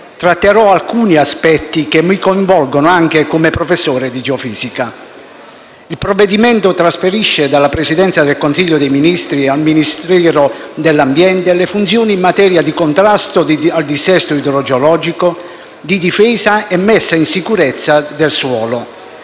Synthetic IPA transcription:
t̪ɾat̪ːeɾɔalkuːniaspɛt̪ːikemːikoiɱvɔlɡonoaŋk̟ekomepɾofesːoːɾed̪id͡ʒeɔfiːzika | ilpɾɔvːed̪imɛnt̪ot̪ɾasfeɾiʃːed̪alːapɾesid̪ɛnt̪sad̪elkonsiʎːod̪ejminist̪ɾialminist̪ɾɛːɾod̪elːambjɛnt̪elefunt̪sjoːniːmːat̪ɛːɾjad̪ikont̪ɾast̪oald̪isɛst̪oid̪ɾɔd͡ʒeolɔːd͡ʒiko | d̪id̪ifɛːzaɛmːɛsːainsikuɾɛt̪sːad̪elswɔːlo

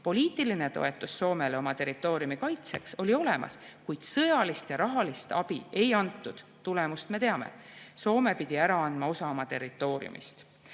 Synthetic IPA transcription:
po̞liːt̪ˑiline̞t̪o̞̰e̞t̪ːˑusːo̞ːme̞leomɑt̪e̞rit̪ːˑo̞ːɾiumikɑjt̪se̞kso̞lʲio̞le̞mɑ̰skujd̪̥sɤjɑlist̪jɑɾɑɦɑlist̪ɑb̥ie̞jɑnt̪ːˑud̪̥t̪ːule̞must̪me̞t̪e̞ɑmḛso̞ːme̞pid̪̥iæɾɑɑnd̪mɑo̞sɑmɑt̪e̞rit̪ːˑo̞ːɾḭṵmʔḭst̪

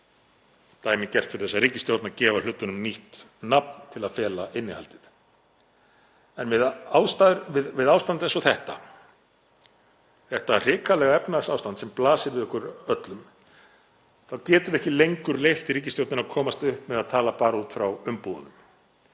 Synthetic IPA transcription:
t̪aːjmɪcɛr̥t̪fɪɾɪ̥θɛsːaɾiːcɪst̪jowt̪nacɛːvalʏt̪ːʏnʏmniht̪nap̚nt̪ʰɪlaðfɛːlaʔɪnːɪha̰lt̪ɪð | ɛnmɪðawst̪aɾvɪðvɪðaːwst̪ant̪ɛns̬ɔθɛht̪a | θɛht̪ar̥ɪːkalɛɣaɛpnasawst̪ant̪sɛmplaːsɪɾvɪðɔhkʏɾœt̪lʏm | θawcɛːt̪ʏɾɛhcɪlejŋkʏɾlejft̪iɾiːc̬ɪst̪jowt̪ɪnaðkʰɔːmast̪ʏhpmɛðaðt̪ʰaːlapaːɾut̪fɾawʏmpuðʏnʏm

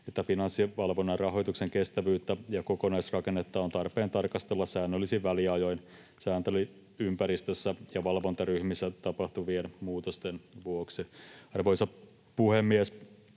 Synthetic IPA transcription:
et̪ːæfinɑnsːiʋɑlʋonːɑrrɑɦo̞jt̪ukseŋkest̪æʋyːt̪ːæjɑkokonɑisrɑkenːet̪ːɑont̪ɑrpeːnt̪ɑrkɑst̪elːɑssæːnːølːisiʋʋæliɑjo̞jn | sæːnt̪øli | ympæɾist̪øsːæjɑʋɑlʋo̞nt̪ɑryhmisːæt̪ɑpɑht̪uʋienmuːt̪ost̪enʋuoksiɑrʋoisɑ | puhemːies

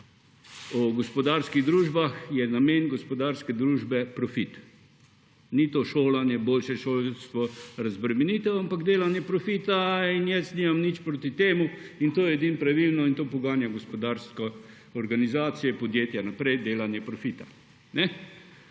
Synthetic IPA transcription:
ɔɡɔspɔd̪aɾskiɣd̪ɾuːʒbaxjɛnameːnɡɔspɔd̪aːɾskɛd̪ɾuːʒbɛpɾɔfit̪ | nit̪oʃoːlanjɛboːlʃɛʃoːlst̪ʋɔɾazbɾɛmɛnit̪ɛampaɡd̪eːlanjɛpɾɔfit̪ainjɛst̪nimamnit͡ʃpɾoːt̪it̪eːmuint̪oːjɛɛd̪inpɾaʋilnɔint̪oːpɔɡaːnjaɡospɔd̪aɾskɔ | ɔɾɡanizaːt̪sijɛpɔd̪jeːt̪janapɾɛjd̪eːlanjɛpɾɔfit̪a | nɛ

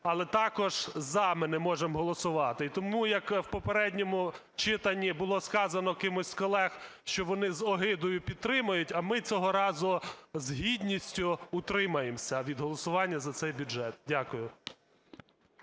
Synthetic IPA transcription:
ɐlˠɛt̪ɑkɔʒ̥zɐmɪnɛmɔʒemɦɔlˠɔsʊʋɑt̪ɪit̪ɔmujɐkwpɔpeɾɛdʲnʲɔmʊ | t͡ʃɪt̪ɐnʲːibʊlˠɔskɑzɐnɔkɪmʊsʲkɔlˠɛxʃt͡ʃɔʋɔnɪzɔɦɪd̪ɔjʊpʲid̪̚t̪ːɾɪmɐjʊtʲɐmɪt͡sʲɔɦɔɾɑzʊzɦidʲnʲisʲtʲʊːt̪ɾɪmɐjemsʲɐʋʲid̪ɦɔlˠɔsʊʋɑnʲːɐzɐt̪sɛjbʲʊd͡ʒɛt̪̚dʲakʊjʊ

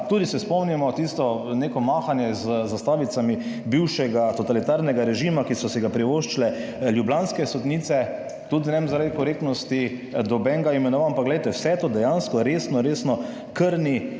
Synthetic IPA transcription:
t̪ud̪isɛspɔmnimɔt̪ist̪ɔneːkɔmaːxanjɛzzast̪aːʋit̪samibiwʃɛɡat̪ɔt̪alit̪aɾnɛɡaɾɛʒimakisɔsɛɡapɾiʋoʃt͡ʃilɛ | ljublanskɛsɔd̪niːt̪sɛ | t̪ud̪inɛmzaɾad̪ikɔɾek̚t̪nɔst̪i | d̪ɔbɛŋɡaimɛnɔʋanpaɡlɛjt̪ɛwsɛt̪oːd̪ɛjanskɔɾesnɔɾeːsnɔ | kəɾni

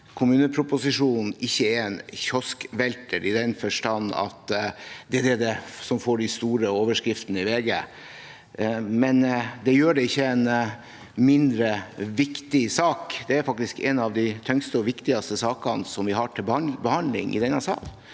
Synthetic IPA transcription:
kʰʊmʉːnəpʰɾʊpʊsɪʂuːnn̩ɪçːəæɾɛnçɔskʋɛlt̪əɾɪd̪ɛnfœʂʈɑnːɑ̰t̪d̪ɛd̪ɛd̪ɛsɔmfoːɖɪst̪uːɾəoːʋəʂkɾɪft̪nəɪʋeːɡə̰ | mɛnd̪ɛjøːɖɛɪçːəɛn | mɪnd̪ɾəʋɪkt̪ɪsɑːkd̪ɛæɾfɑk̚t̪ɪskɛ̰nɑʋd̪æɪt̪ʰœŋst̪əɔʋɪkt̪ɪɡɑst̪əsɑːkɑnsɔmʋɪɦɑʈʰɪlbbəhɑnd̪lɪ̰ŋʔɪ̰d̪ɛnɑsɑ̰ːl

